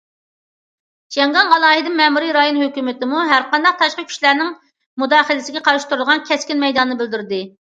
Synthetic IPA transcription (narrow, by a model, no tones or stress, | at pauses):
ʃɛŋɡɑnʁɑlˠɑːɦɪd̪ɪmɛmuɾiɾɑjonhøkʲymɪt̪ɪmuɦæɾqɑnd̪ɑq̚t̪ʰɑʃqɑkʲʰy̥ʃlæɾnɪŋ | mud̪ɑːχəlɪsɪɡʲɛqʰɑɾɨʃt̪uɾulˠʁɑnkʲʰɛskʲinmɛjd̪ɑnnɨbɪld̪yɾɪd̪ɪ